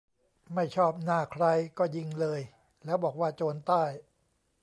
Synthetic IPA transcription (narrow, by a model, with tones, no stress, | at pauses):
ma˥˩jt͡ɕʰɔː˥˩p̚naː˥˩kʰɾa˧jkɔː˥˩ji˧ŋlɤː˧j | lɛː˦˥wbɔː˨˩k̚waː˥˩t͡ɕoː˧nt̪aː˥˩j